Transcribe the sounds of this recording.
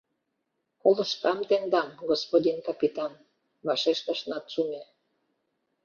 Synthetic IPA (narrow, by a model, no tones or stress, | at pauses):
kolə̆ʃt̪ɑmt̪eŋd̪ɑmɡospod̪ʲinkɑpit̪ɑn | βɑʃeʃt̪ɑʃnɑt̪ʃume